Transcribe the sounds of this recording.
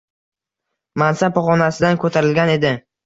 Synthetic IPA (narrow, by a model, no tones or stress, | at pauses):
mansapχɒnasɪd̪ankʰɵt̪ʰaɾɪlɡʲane̞d̪ɪ